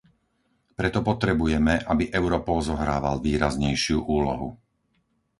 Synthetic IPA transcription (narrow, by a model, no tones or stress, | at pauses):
pɾɛt̪ɔpɔt̪ɾɛbujɛmɛʔabiʔɛʊɾɔpɔlzɔɦɾaːʋalʋiːɾazɲɛjʃɪuʔuːlɔ̰ɦṵ